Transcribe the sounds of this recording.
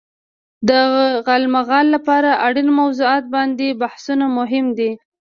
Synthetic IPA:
d̪əɣalmaɣɑlːapɑɾaʔaɽinmawzuɑt̪̚bɑnd̪ebahsunamʊɦɪmd̪i

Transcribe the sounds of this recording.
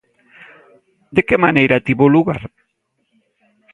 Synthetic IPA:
d̪ekemanejɾat̪iβoluɣa̰ɾ

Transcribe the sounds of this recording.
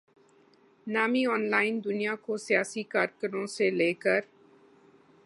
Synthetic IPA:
naːmiɔːnlaːɪnd̪ʊnijakosijaːsikaːɾkəɾõseleːkəɾ

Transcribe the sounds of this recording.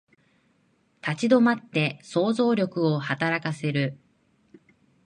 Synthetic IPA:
t̪at͡ɕid̪o̞mat̪ːe̞so̞ːzo̞ːɾʲo̞kɯ̟o̞hat̪aɾakase̞ɾɯ̟

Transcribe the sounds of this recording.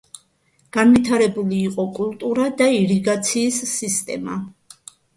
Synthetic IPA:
ɡ̥anvit̪ʰaɾɛbuliːqʼɔkʼulˠt̪ʼuɾad̪aiɾiɡat̪sʰiːsːist̪ʼɛ̰ma̰

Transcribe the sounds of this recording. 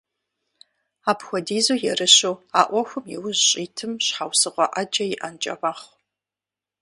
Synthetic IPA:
aːpxʷɔdiːzoːjɛrɨɕowaːʔʷɔxʷʊmjiwʊʑɕʼiːtʰɨmɕħawsɨʁʷɔʔɐd͡ʒɐjɪʔɐnt͡ʃʼɐ̰ʁʷaːχ

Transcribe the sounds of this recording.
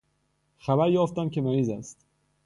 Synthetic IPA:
xæbæɾjɒːft̪æmcʰemæɾiːzæst̪

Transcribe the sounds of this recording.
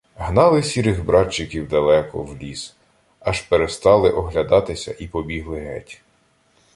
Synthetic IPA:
ɦnɑlˠɪsʲiɾɪxbɾɑt͡ʃːɪkʲiwd̪ɐlˠɛkɔ̰wlʲis | ɑʃpeɾest̪ɑlˠɪʔɔɦlʲɐd̪ɑt̪ɪsʲɐ̰ʔipɔbʲiɦlˠɪɦɛ̰tʲ

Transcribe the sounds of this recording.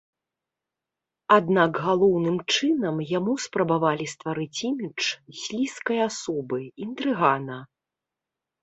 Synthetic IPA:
ad̪naɡɣalˠɔwnɨmt͡ʂɨnɐmjamuspɾɐbavalʲist̪vaɾɨt͡sʲimʲit͡ʂsʲlʲiskɐjasɔbɨint̪ɾɨɣanɐ

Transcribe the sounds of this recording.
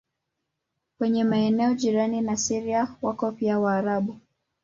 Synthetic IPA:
kwɛɲɛmaɛnɛɔʄiɾaninasiɾiawakɔpiawaːɾaɓu

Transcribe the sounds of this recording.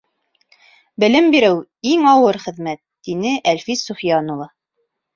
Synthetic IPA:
bɘ̆lɘmbiɾɘwiŋɑwɤɾχɘ̆ðmæt̪ːinɘʔælfisŭfjɑnulˠɤ

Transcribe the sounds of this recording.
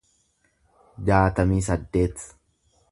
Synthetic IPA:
d͡ʒaːt̪ɐmiːs̬ɐd̪ːe̞ːt̪

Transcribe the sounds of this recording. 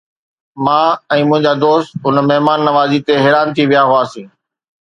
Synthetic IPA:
mãːɛ̃ːmʊ̃ɦɪ̃ɲd͡ʑaːd̪oːst̪ʊnmɛɦmaːnːɐʋaːzit̪eɦeːɾaːnt̪ʰiʋijaɦʊaːsĩː

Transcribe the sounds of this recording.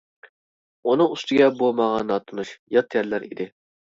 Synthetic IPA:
unɨŋust̪ɪɡʲɛbomɑʁɑnːɑt̪ʰunuʃjɑt̪ʰjɛɾlːæɾḭd̪ɪ

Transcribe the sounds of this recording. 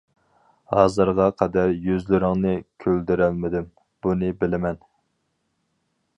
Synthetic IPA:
hɑːzɨɾʁɑqʰɛd̪æɾjøzlɪɾɪŋnɪkʲʰøld̪yɾælmɪd̪ɪm | b̥unɨbɪlɪmɛn

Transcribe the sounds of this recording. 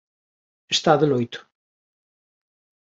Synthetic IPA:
ɨst̪aðɨnojt̪ʊ̥

